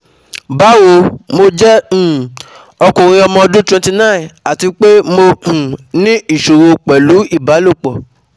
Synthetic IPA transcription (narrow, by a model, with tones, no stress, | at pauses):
ba˨˦wo˧mo˧d͡ʒɛ̃˦˨ | ɔ˧kũ˨ɾ̃ĩ˧ɔ˧mɔ̃˧ɔ˧dũ˦twɛ̃˧ti˧nã˦˨na˨ti˧k͡pe˦mo˧ũ˨nĩ˦i˦˨ʃo˨ɾo˧k͡pɛ˨lu˨˦i˦˨ba˨˦lo˦˨k͡pɔ˨